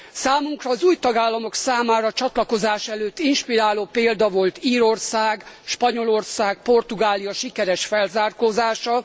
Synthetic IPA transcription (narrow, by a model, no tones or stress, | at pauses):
saːmuŋkrɒːzuːjt̪ɒɡaːlːɒmo̞ksaːmaːɾɒt͡ʃɒt̪lɒko̞zaːʃɛløːt̪ːinʃpiɾaːloːpeːld̪ɒvo̞lt̪iːɾo̞rsaːɡʃpɒɲo̞lo̞rsaːɡ̚po̞rt̪uɡaːlijɒʃikɛɾɛʃfɛlzaːrkoːzaːʃɒ